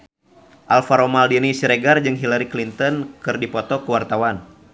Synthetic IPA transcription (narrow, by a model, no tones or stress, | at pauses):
ʔalfaɾɔmaldinisiɾɛɡard͡ʒɨŋɦilaɾiklint̪ɔnkɨrdipɔt̪ɔkuwart̪awan